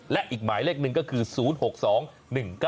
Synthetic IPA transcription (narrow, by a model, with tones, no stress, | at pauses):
lɛ˦ʔiː˨˩k̚maː˩˦jleː˥˩k̚nɯ˨ŋkɔː˥˩kʰɯː˧suː˩˦˥nho˨˩k̚sɔː˩˦ŋ | nɯ˨˩ŋka˥˩